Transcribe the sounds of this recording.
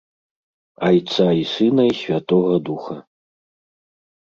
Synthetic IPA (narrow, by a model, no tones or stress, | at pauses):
ajt̪saisɨnɐisʲvʲat̪ɔɣɐd̪uxɐ